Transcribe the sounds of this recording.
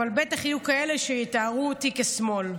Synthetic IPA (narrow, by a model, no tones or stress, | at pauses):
albe̞taχajukae̞le̞ʃejitaʁutikesmo̞l